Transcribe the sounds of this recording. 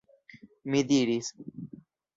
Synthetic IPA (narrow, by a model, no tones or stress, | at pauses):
mid̪iɾis